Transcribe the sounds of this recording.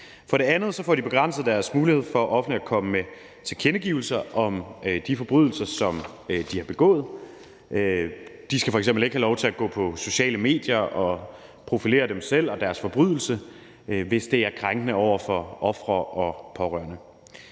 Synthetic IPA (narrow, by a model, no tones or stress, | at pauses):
fɒ̽ɾ̥e̝ænð̞̩ˠsɒ̽fɒ̰ːd̥ib̥e̝ɡ̥ʁɑ̈n̰səð̩ˠd̥æɐsmuːlihe̝ð̞̰ˠfɒ̽ʔɒ̽fnd̥liækʰɒ̽məme | t͡sʰe̝lkʰenəɡ̥iːʊl̩sɐʔɒ̽mød̥ifɒ̽b̥ʁyðˠl̩sɐsɒ̽m | ød̥ihɑ̈b̥e̝ɡ̥ɔ̰̽ːð̩ˠ | ød̥isɡ̥æfɒ̽eɡ̥semble̝ɡ̥hælɒʊt͡sʰe̝læɡ̥ɔ̰̽ːpʰɒ̽so̝ɕɛ̰ːləme̝̰ːd̥jɐɒ̽ | pʰʁo̝file̝̰ːɐd̥emsel̰ɒ̽d̥æɐsfɒ̽b̥ʁyðˠl̩sə | ʋe̝sd̥e̝æɐkʰʁaŋɡ̥ənəɒʊ̰ɐfɒ̽ʔɒ̽fʁɐʔɒ̽pʰɒ̽ʁœ̰ɐnə